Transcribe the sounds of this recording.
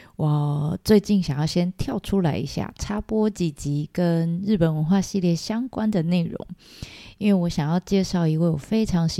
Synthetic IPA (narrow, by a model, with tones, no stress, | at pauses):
wɔ˥˨˩t͡swe˥˧ɪt͡ɕi˥˩nɕjɑ˨˩ŋjɑ˥˩ʊɕjɛ˥nt̪ʰjɑ˥˩ʊʈ͡ʂʰu˥la˧˥ɪḭ˧˥ɕja̰˥˩ʈ͡ʂʰa˥pwɔ˥t͡ɕi˨˩t͡ɕi˧˥kə˦nɻɻ̩˥˩pə˨˩nwə˧˦nxwa˥˧ɕi˥˧ljɛ˥˩ɕjɑ˥ŋkwa˦nd̪ə˨ne˥˩ɪɻʊ̰˧˥˦ŋi˦nwe˥˩ɪwɔ˧˥ɕjɑ˨˩ŋjɑ˥˧ʊt͡ɕjɛ˥˧ʂɑ˥˩ʊi˧˥kə˥˩joɔ˨˩fe˥ɪʈ͡ʂʰɑ˧˥ŋɕ